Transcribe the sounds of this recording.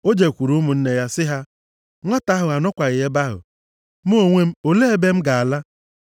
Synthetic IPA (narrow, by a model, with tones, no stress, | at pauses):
o˦d͡ʒe˨kʷu˨ɾu˦mʊ˨n̩˦ne˨ja˦sɪ˦ɦa˦ | ŋʷɔ˦ta˦ɦʊ˨a˨nʊ˦kʷa˨ɣɪ˨e˦ba˦ɦʊ̰˨ | m˦o˦o˦˨ŋʷe˦m̩˦o˨le˦e˨be˦m̩˦ɡa˨a˨la˦